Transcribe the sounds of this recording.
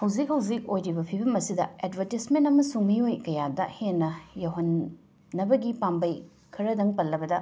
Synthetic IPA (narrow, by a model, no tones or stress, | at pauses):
hɐwzik̚hɐwzik̚ojɾibɐpʰibɐmɐsidɐedbʱɐɾtismentɐmɐsuŋmiojkɐjadɐhenːɐjɐwɦɐnː | ɐbɐɡipambɐj | kʰɐɾɐdɐŋpɐlːɐbɐdɐ